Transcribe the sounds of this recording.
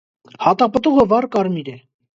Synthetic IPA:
hɑt̪ɑpət̪uʁəvɑɾkɑɾmiɾɛ

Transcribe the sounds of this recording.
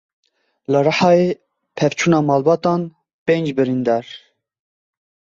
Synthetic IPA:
ləɾɑħɑːe | pʰɛvt͡ʃʰuːnɑːmɑːlbɑːt̪ɑːn | pend͡ʒbɨɾind̪ɑːɾ

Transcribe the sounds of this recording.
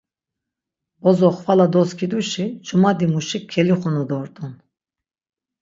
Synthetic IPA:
bɔzɔχvalad̪ɔskʰid̪uʃit͡ʃʰumad̪imuʃikʰːɛliχunud̪ɔɾt̪ʼun

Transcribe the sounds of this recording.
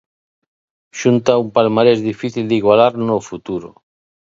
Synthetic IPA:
ʃunt̪aumpalmaɾezðifiθild̪iɣwalaɾnofut̪uɾo̰

